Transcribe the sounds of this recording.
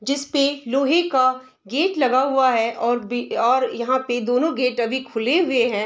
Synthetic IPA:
d͡ʒɪspeloːɦeka | ɡeːʈlɐɡaɦʊaɦɛʔɔːɾɔːɾjɐɦãped̪oːnõɡeːʈɐbʱikʰʊleɦʊeɦɛ̃ː

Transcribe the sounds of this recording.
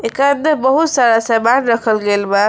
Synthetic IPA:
ekand̪əbəɦut̪saɾasabaɽɾəkʰəlɡelba

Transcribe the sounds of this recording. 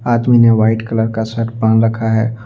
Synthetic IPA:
aːd̪mineʋaːɪʈkɐləɾkasɐʈbãːnɾɐkʰaɦɛː

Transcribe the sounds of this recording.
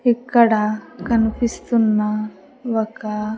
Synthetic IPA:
ikːɐɽakɐnpist̪unːa | ʋɐka

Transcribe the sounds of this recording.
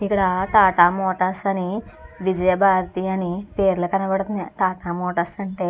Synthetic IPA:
ikːɐɽɐt̪aːʈaːmoːʈɐsɐniʋid͡ʒɐjɐbʱaːɾt̪iːɐnipeːɾulɐkɐnɐbɐɽɐt̪und̪it̪aːʈaːmɔːʈɐsɐɳʈeː

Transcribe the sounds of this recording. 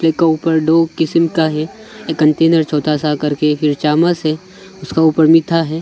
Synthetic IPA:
leːkːauːpəɾɖoːkɪsəmkaɦɛkːɐɳʈeːnəɾt͡ʃʰɔːt̪ʰasakɐɾkefʰɪɾt͡ʃaːmasɦɛ | ʊskauːpəɾmɪt̪ʰaɦɛː

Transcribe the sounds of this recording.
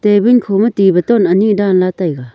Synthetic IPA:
t̪ebinkʰomɐt̪ibɐt̪ɔnɐnidanlat̪ajɡa

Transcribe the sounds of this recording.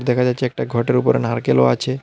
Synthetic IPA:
ɾd̪ɛkʰad͡ʑatːɕʰeɛk̚ʈaɡʱɔʈeɾupoɾenɦaɾkelo̰a̰t͡ɕʰe

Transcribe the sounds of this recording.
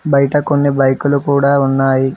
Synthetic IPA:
bɐjʈɐkonːibɐjkulukuːɽaːunːaːji

